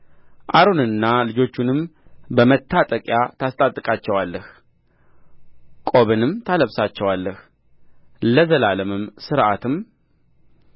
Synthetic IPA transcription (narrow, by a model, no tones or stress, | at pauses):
ʔaɾonɨnːalɨd͡ʒo̞t͡ʃːunɨmbəmət̪ʰːat̪ʼəkʼjat̪ʰast̪ʼat̪ʼːɨkʼat͡ʃːɛwalːəh | kʼoβɨnɨmt̪ʰaləβsat͡ʃːɛwalːəh | ləzəlaləmɨmsɨɾʔat̪ɨm